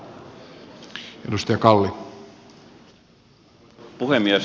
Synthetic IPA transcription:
edust̪ɑjɑkɑlːi | puhemːiæs

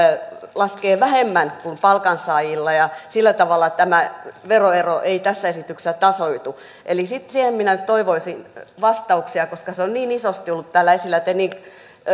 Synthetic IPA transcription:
lɑskeːʋæhemːænkumpɑlkɑnsɑːjilːɑjɑsilːæt̪ɑʋɑlːˑɑt̪æmæʋeroeroʔeit̪æsːæesit̪ykssæt̪ɑsoit̪u | ʔelisit̪sihemminænyt̪t̪oiʋoisinʋɑst̪ɑuksiɑkoskɑseonniːnisost̪iolːut̪t̪æːlːæesilːˑæt̪eniːn

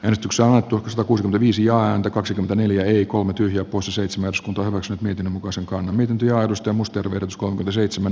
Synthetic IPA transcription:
æːnest̪ykseonɑnet̪ːuksɑt̪ɑkuːsikyment̪æʋiːsijɑːænt̪ækɑksikyment̪æneljæeikolmet̪yhjæˑppoiseseit̪semænærskunt̪ɑhyʋæksynyt̪miet̪inːømukɑiseŋkɑnːɑmmiet̪int̪øjɑːetust̪ɑjɑmust̪erʋeˑræt̪yskolmekyment̪æseit̪semæn

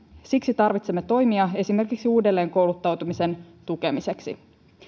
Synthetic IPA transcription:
siksit̪ɑrʋit̪semːet̪o̞jmiɑe̞sime̞rkiksiuːdelːe̞ːŋko̞wlut̪ːɑwt̪umise̞n | t̪uke̞mise̞ksḭ

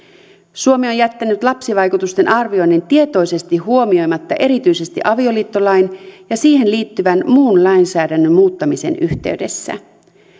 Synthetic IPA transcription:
suo̞mieo̞njæt̪ːænyt̪lɑpsiʋɑjkut̪ust̪e̞nʔɑrʋio̞jnːent̪iet̪o̞jse̞st̪iɦuo̞mio̞jmɑt̪ːɑʔe̞ɾit̪yjse̞st̪ḭʔɑʋio̞liːt̪ːo̞lɑjnjɑsiːhe̞nliːt̪ːyʋænmuːnlɑjnsæːdænːømmuːt̪ːɑmise̞̰ːnyht̪e̞̰yɥde̞sːæ̰

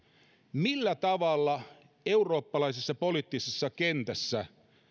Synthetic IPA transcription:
milːæt̪ɑʋɑlːɑ | euroːpːɑlɑisesːɑpo̞lit̪ːisesːɑkent̪æsːæ

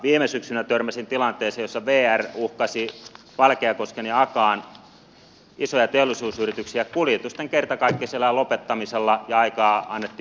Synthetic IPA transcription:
ʋiːmesyksynæt̪ørmæsint̪ilɑnt̪eːseːjosːɑʋeːæruhkɑsi | ʋɑlkeɑkoskeniɑkɑːn | isojɑt̪eolːˑisuːsyrit̪yksiækuljet̪ust̪ːˑeŋkert̪ɑkɑikːisielːælopet̪ːɑmiselːɑjɑɑikɑːɑnːet̪ːiː

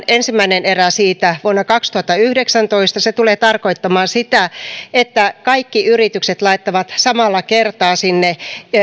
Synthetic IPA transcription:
ensimːæineneræsiːt̪æʋuonːɑkɑkst̪uhɑt̪ːɑyhdeksænt̪oist̪ɑset̪uleːt̪ɑrkoit̪ːɑmɑːnsit̪æet̪ːækɑikːiyrit̪ykset̪lɑit̪ːɑʋɑt̪sɑmɑlːɑkert̪ɑːsinːe

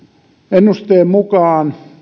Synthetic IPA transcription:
enːust̪eːmmukɑːn

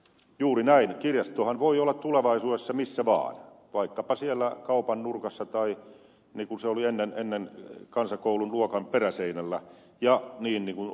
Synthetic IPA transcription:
juːrinæinkirjɑst̪oːhɑnʋoiolːɑt̪t̪uleʋɑisuːɾesːɑmisːæʋɑ̰ːn | ʋɑikːɑpɑsielːækɑupɑnnurkɑsːɑt̪ɑi | niːkunseolienːenenːenkɑnsɑkoulunluokɑmperæseinælːæ | jɑniːnniːŋkun

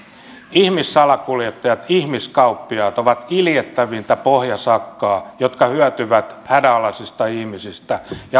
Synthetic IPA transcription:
ihmisːɑlɑkuljet̪ːɑjɑt̪ihmiskɑupːiɑːt̪oʋɑt̪iljet̪ːæʋint̪æpohjɑsɑkːɑːjot̪kɑhyæt̪yʋæt̪hædæɑlɑsist̪ɑihmisist̪æjɑ

